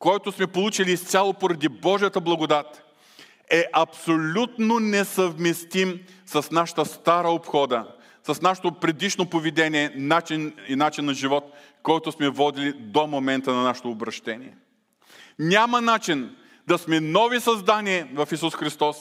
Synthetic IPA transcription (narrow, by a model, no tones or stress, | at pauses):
kɔjt̪ʊsmɛpolˠut͡ʃiliːst̪sʲalˠopoɾɐd̪ibɔʒijət̪əblˠɐɡʊd̪at̪ | ɛʔɐpsolʲut̪nonɛsɐvmɛst̪im | sɐsnaʃə̥t̪əst̪aɾəopxɔd̪ə | sɐsnaʃə̥t̪opɾɛd̪iʃnopovid̪ɛnʲiɛnat͡ʃininat͡ʃinːɐʒivɔt̪ | kɔjt̪ʊsmɛvɔd̪ilid̪omomɛnt̪ənɐnaʃɛ̥t̪oːbɾɐʃt̪ɛnʲiɛ | nʲamənat͡ʃin | d̪ɐsmɛnɔvisɐzd̪aniɛvɐfisusxɾist̪ɔs